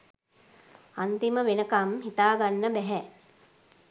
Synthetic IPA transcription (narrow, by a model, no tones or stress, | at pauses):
ant̪iməʋenəkamɦit̪aːɡanːəbɛɦɛ